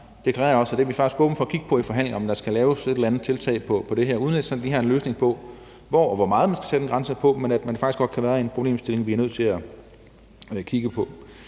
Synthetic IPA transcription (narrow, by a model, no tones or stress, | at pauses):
d̥e̝kʰlæʁ̰ːɐɒ̽sæd̥e̝ɐʋifɑ̈ɡ̥isɡ̥ɔ̽ːb̥n̩fɒ̽ːkʰiɡ̥ə̥pʰɒ̽ifɒ̽ɦæn̰leŋ̩ɒ̽md̥ɑ̈sɡ̥ælɛːʊse̝del̩ænð̩ˠt͡sʰe̝lt͡sʰɛ̰ɪpʰɒ̽pʰɒ̽d̥e̝ɦeɐ̰uðˠned̥sɒd̥iɦɑ̈enløːsne̝ŋpʰɒ̽ | ʋɒʋɒmɑ̈ːð̞̩ˠmænsɡ̥æ̥sed̥en̩ɡʁɑnsɐpʰɒ̽menæd̥mænfɡ̥isɡ̥ɒ̽d̥kʰæʋæːɐe̝npʰʁo̝b̥lḛːmsd̥e̝le̝ŋʋiæɐøð̰ˠt͡sʰe̝læ | kʰiɡ̥əpʰɒ̽